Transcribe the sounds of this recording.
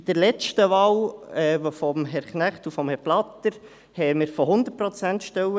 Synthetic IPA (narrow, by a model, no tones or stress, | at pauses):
d̥əɾlɛt͡stəʋɑːwɛːvofɔmɦɛɾχnæχtufɔmhɛɾplɑt̪əɾ | hɛmɪɾfɔɦʊnd̪ət̚pɾɔt͡sænt̪ʃtɛwə